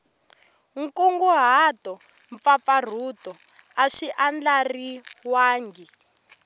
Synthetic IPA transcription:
ŋ̩kuŋɡuɦatɔ | ɱp̪fafar̤utɔ | aʂiʔand͡ɮariwaːŋɡi

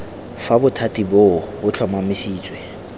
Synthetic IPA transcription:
fabʊtʰatʼibobʊt͡ɬʰɔmamɪsiːt͡sʼwɛ

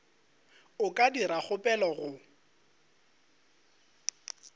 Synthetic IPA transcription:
ʊkʼadiɾak͡xʰʊpʼɛlɔɣʊ

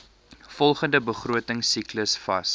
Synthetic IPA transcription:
fɔlˠχəndəbəχruətəŋsikləsfɐ̰s

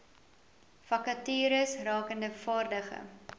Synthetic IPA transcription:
fɐkɐtyːɾəsrɑːkəndəfɑːrdəχə̰

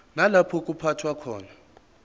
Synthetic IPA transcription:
nalapʰɔk̬ʼupʰatʰwakʰɔːna

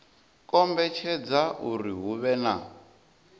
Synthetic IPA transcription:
kʼɔmbɛt͡ʃʰɛd͡zaʔuriɦuβɛna

